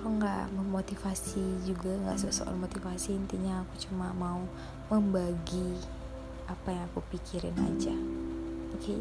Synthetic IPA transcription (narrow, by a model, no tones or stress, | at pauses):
ɾɔŋɡa̰ʔməmot̪ifasid͡ʒuɡaŋɡa̰ʔsəso̰ʔa̰lmot̪ifasiːnt̪iɲaːkut͡ʃumamau | məmbaɡi | apajaŋakupikʰiɾɪ̰na̰d͡ʒa | oke